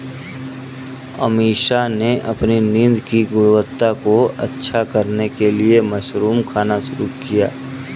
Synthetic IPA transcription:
ɐ̰miːʃaneʔɐpninĩnd̪kiɡʊɽwət̪ːakoɐtːʃʰakɐɾnekeliemɐʃɾuːmkʰaːnaʃʊɾukija̰ː

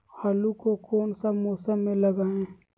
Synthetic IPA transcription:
haːlukokoːnsəmoːsəmːẽləɡaːẽː

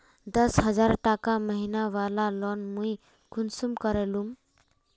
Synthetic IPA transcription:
d̪əsɦəd͡zaɾʈakaməɦinaʋalalɔnmuj | kʰunsumkəɾalum

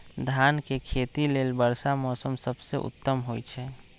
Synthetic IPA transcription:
d̪ʱankekʰet̪ileːlbəɾsamɔsəmsəbsḛʔṵt̪ːəmɦojt͡ʃʰɛ

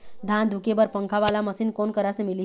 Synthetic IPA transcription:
d̪ʱand̪ʱukebəɾpəŋkʰaʋalaməsinkonkəɾasemili

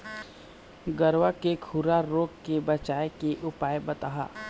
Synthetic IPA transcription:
ɡəɾʋakekʰuɾaɾoːɡkebɐt͡ʃaːekeʔʊpaːjbɐt̪aːɦa̰ː

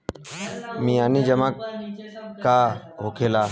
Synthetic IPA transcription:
miːaːniːd͡ʒəmãːkː | aːɦokʰeːlaː

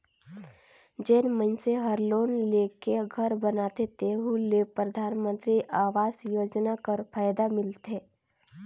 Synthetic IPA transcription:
d͡ʒeːnmənseɦəɾloːnleːkeɡʱəɾbənaːt̪et̪eɦulepɾəd̪ʱaːnmə̃nt̪ɾiʔaːʋaːsjoːd͡ʒnakəɾpʰaːjd̪amɪlt̪eː

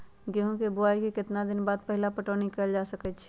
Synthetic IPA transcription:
ɡeɦũkebʊaikekɪt̪nad̪ɪnbaːd̪̚pəɦɪlapəʈonikəld͡ʒasəkɛt͡ʃʰ

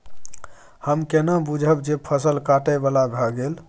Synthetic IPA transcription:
həmkenabud͡ʒʱəbd͡ʒepʰəsəlkaʈəjbalabʱəɡel

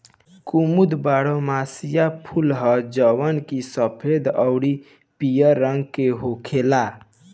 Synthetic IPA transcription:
kumud̪baːɽomasijapʰulɦəd͡ʒəwənkisəpʰed̪ɔʊɽi | pijəɾəŋɡkeɦokʰela

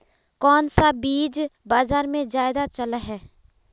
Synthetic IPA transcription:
kɔːnsabiːd͡ʒbaːzaːɾmẽd͡ʒaːɪd̪at͡ʃəlaɦɛː

